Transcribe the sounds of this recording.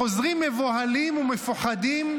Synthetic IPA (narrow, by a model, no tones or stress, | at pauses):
ozʁimːevohalimumefaχad̪im